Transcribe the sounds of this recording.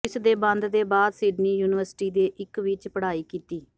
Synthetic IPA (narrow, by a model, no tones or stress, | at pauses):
ɪsd̪eːbə̃nd̪d̪eːbaːd̪sɪɖniːjuːnɪʋəɾsʈiːd̪eːʔɪkʋɪt͡ʃpəɽaːiːkiːt̪iː